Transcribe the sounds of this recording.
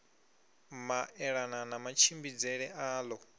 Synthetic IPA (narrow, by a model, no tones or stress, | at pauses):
maʔɛɺananamat͡ʃʰimbid͡zɛɺɛʔaːlɔ